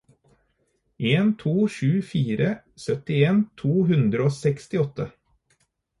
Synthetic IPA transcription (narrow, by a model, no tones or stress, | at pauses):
ʔeːnt̪ʰuːʃʉːfiːɾə | sœt̪ɪeːnt̪ʰuːɦʉnd̪ɾəoːsɛkst̪ɪɔt̪ʰə